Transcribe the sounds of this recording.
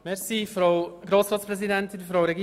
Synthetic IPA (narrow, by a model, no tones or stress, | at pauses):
mɛɾsifɾoʊɡ̥ɾoːsɾɑːtt͡sspɾɛzidɛnt̪ɪnfɾowɾɛɡi